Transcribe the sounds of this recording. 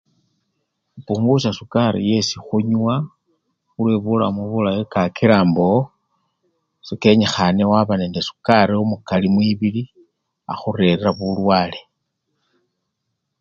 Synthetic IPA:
xupuːŋɡusasukaɾḭje̞sixuɲwa | xulweβula̰muβulajikakiɾaːmbo | sike̞ɲexanewaβane̞ːndesu̥kaɾiomukalimwiβili | a̰xuɾe̞ɾeɾaβulwaːle̞

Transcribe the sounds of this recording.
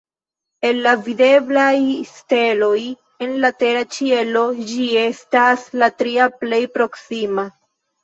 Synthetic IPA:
e̞nːavide̞blajste̞lo̞j | e̞nlate̞ɾat͡ʃie̞lo̞d͡ʒie̞staslatɾiaple̞jpɾo̞ksima

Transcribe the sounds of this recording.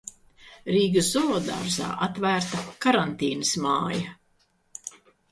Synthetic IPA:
ɾiːɡɨzzɔɔd̪a̰ɾza̰ːʔat̪væːɾt̪akaɾant̪iːnɨsmaːjɐ

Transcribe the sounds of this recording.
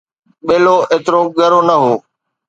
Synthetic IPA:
ɓeːloːʔeːt̪ɪɾoɡəɾoːnɐɦoː

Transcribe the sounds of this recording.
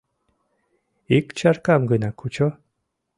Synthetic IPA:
ikt͡ɕʰarkamɡɯnakʰːut͡ɕɔ

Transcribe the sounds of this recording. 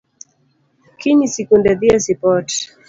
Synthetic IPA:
kiɲisikundɛðiɛsipɔt

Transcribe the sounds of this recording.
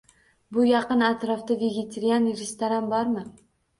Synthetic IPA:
bʊjɑqɨnat̪ɾɒfd̪aveɡʲet̪ʰeɾijaniɾest̪aɾambɒɾmɪ

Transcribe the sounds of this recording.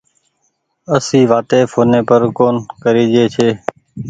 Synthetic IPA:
əsiːʋaːt̪eːpʰoːneːpəɾkoːnkəɾiːd͡ʒeːt͡ʃʰeː

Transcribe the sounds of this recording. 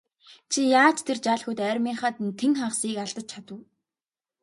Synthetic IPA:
t͡ɕʰijaːt͡ɕt̪ʰert͡ɕaːɮxɵt̪æːɾʲmiːχaːt̪nt̪ʰeŋχaχsiːkaɮt̪ə̆t͡ɕ̚t͡ɕʰat̪ə̆w

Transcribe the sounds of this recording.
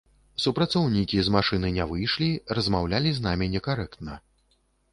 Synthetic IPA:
supɾat̪sɔwnʲikʲizmaʂɨnɨnʲɛvɨjʂlʲirɐzmawlʲalʲiznamʲinʲɛkaɾɛkt̪nɐ

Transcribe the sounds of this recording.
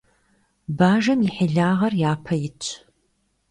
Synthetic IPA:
baːʒɐmɪħɪɮaːʁɐrjaːpʰɐjɪt͡ʃʼʰ

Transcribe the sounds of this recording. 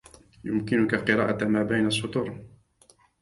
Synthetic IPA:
jʊmkɪnʊkalqɨɾˤɑ̰ːʔamaːbajnasˤːʊt̪ˤʊɾˤ

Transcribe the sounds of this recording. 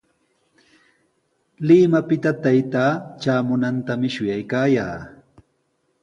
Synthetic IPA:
lɪmapɪt̪at̪ajt̪aːt͡ʃaːmʊnant̪amɪʃʊjajkaːja̰ː

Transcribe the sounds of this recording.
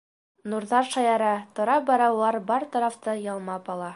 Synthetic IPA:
nuɾðɑɾʃɑjɑɾɑt̪ŏɾɑpbɒɾɑwlˠɑɾbɑɾt̪ɒɾɑft̪ɤjɑlˠmɑpɑlˠɑ

